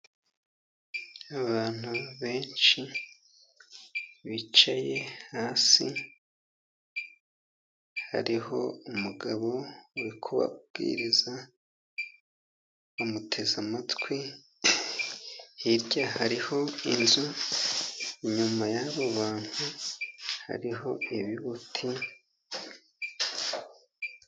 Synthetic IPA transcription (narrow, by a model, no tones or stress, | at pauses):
aβaːn̥uβe̞ːnt͡ʃi | βit͡ʃaje̞haːsi | ha̰ɾiho̞̰umuɡaβo̞uɾikʰuβa̰bɡ̥ḭːɾiza | omutʰe̞zamatwi | hiɾɟahaɾiho̞inzu | ɲumajaβoβaːn̥hu | ha̰ɾiɦo̞iβiβutʰi